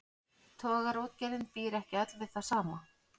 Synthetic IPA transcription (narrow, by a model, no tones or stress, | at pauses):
t̪ʰɔːɣaɾowt̪̚cɛɾɪnpiːɾɛhcɪat̪lvɪð̥θasaːma